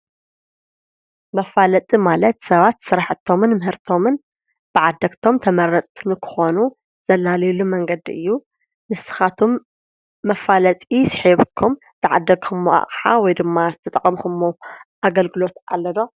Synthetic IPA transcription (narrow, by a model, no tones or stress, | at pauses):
mɐfalɐt̪ʼimalɐt̪sɐβat̪sɨɾaħɨt̪ʰːo̞mɨnmɨɦɨɾt̪ʰo̞mɨn | b̥ɨʕad̪ːɐɡt̪ʰo̞mt̪ʰɐmɐɾɐt͡sʼt̪ʰnɨkʰɨ̥xo̞nu | z̥ɐlːalɐjlumɐŋɡɐd̪iʔɨ̰jːu | nɨsɨ̥xat̪ʰumː | ɐfalɐt̪ʼisɨ̥ħiβɨkʰːum | t̪ʰɨʕa̰d̪ːɐɡxɨmːoʔa̰χʼħa̰wɔjd̪ɨmːazɨt̪ʰɐt̪ʼɐkʼɐmxɨmːoʔaɡɐlɡɨlo̞t̪alːɐd̪o